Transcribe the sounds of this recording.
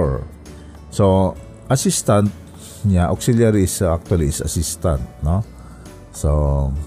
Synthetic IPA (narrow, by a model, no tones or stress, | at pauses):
ɹ | so | ʔasist̪ant̪̚ | ɲaʔaksiljaɾisak̚t̪waliːsa̰sist̪ant̪̚no | so